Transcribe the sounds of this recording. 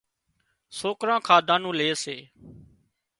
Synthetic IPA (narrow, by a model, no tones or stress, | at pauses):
soːkɾãːkʰaːd̪ʱãːnũːleːseː